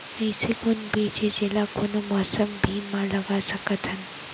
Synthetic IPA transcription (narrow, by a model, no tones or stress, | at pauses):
əjsekonbid͡ʒed͡ʒelakonomɔsəmbʱiːnmãləɡasəkət̪ʰən